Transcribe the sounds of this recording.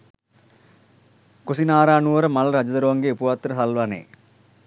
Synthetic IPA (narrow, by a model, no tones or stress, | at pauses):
kosinaːɾaːnuʋəɾəmaləɾad͡ʒəd̪əɾuʋaŋɡeupuʋat̪ːəɾəɦalʋanḛː